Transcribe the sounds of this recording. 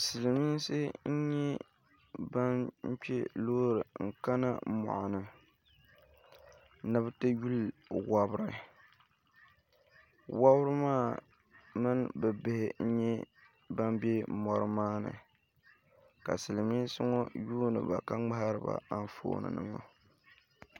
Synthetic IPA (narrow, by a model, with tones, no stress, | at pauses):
sɨ˨lɨ˨mi˦n˦sɨ˦n̩˦ɲɛ˦ | ba˦nɲ̩˦t͡ʃɛ˦loː˦ɾɨ˨ŋ̩˨ka˦na̰˦mɔ̰˨ʔʊ˨nɨ˨ | nɨ˦btɨ˦ju˦lwa˦bɨ˦ɾɨ˨ | wa˦bɾɨ˦maː˦˨ | mɨ˦nbɨ˨bɪ˦hɪ˦n̩˦ɲɛ˦ | ba˦mbe˦mɔ˦ɾɨ˦maː˦nɨ̰˨ | ka˨sɨ˨lɨ˨mi˦sʊ˦ŋɔ˦juː˦nɨ̰˨ba̰˨ka˦ŋ͡ma˦ha˦ɾɨ˦ba̰˨a˦n˦fo̰ː˨nɨ̰˨nɨ̰˨ŋo̰˦